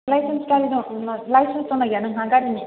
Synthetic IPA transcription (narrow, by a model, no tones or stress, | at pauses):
lajsenskaɾid̪unlajsensdɔnaɡanɯŋɦaŋɡaɽini